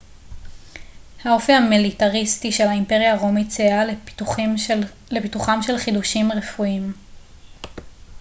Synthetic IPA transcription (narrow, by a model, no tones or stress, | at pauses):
hao̞fihamilitaʁistiʃe̞lhaimpeʁijaʁomit͡sea | lepituχamʃe̞lχiduʃimʁefuim